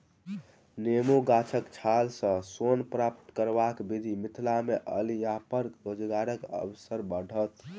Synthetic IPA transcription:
nemoɡat͡ʃʰəkt͡ʃʰalsə̃sonpɾapt̪kəɾbakbid̪ʱimit̪ʰlameʔə̰lijapəɾkɾod͡ʒɡaɾəkə̰bsəɾbəɽ̤ʱət̪

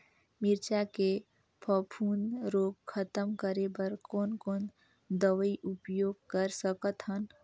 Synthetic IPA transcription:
mɪɾt͡ʃake | pʰɔpʰuːnɾoːɡkʰət̪əmkəɾebəɾkoːnkoːn | d̪əʋəiʔʊpjoːɡ̚kəɾsəkət̪ɦən

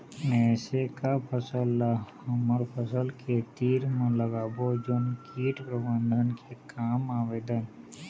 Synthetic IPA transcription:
ɛːsekapʰəsəlːahɐməɾpʰəsəlket̪iːɾmẽləɡaːbod͡ʒonkiːʈpɾəbə̃nd̪ʱənkʰekaːmaːʋeːd̪ən

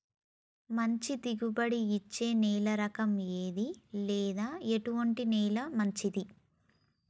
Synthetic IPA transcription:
mɐɲt͡ʃit̪iɡubɐɽiːt͡ʃːe̞ːnɛːlɐɾɐkɐmeːd̪ilɛːd̪aːeʈuʋɐɳʈinɛːlɐmɐɲt͡ʃid̪i

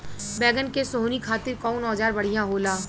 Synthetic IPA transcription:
bɛːɡənkesoɦnikʰaːt̪ɪɾkɔːnɔːd͡ʒaːɾbɐɽ̤ijãɦoːlaː

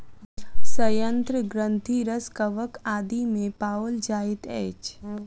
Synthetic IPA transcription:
səjənt̪ɾəɡɾə̃nt̪ʰiɾəskəʋəkaːd̪imẽpaːold͡ʒaːɪt̪ɛ̰ːt͡ʃ

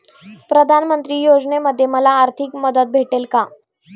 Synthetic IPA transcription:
pɾəd̪ʱanmənt̪ɾiːjod͡zneməd̪ʱːjeməlaːɾt̪ʰikməd̪ət̪̚bʱeʈelka

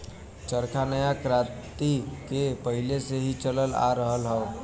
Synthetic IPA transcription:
t͡ʃəɾkʰanəjakɾãt̪ikepəɦileseɦit͡ʃələla̰ɾəɦəlɦəʊ

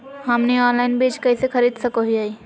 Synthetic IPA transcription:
ɦɐmniɔːnlaːɪnbeːd͡ʒkɐisexʰɐɾiːd̪sɐkoɦiaːi

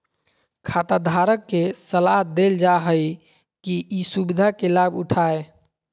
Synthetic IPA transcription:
kʰat̪ad̪ʱaɾəkːesəlaɦd̪eld͡ʒaɦəj | kiisubid̪ʱakelabuʈʰae

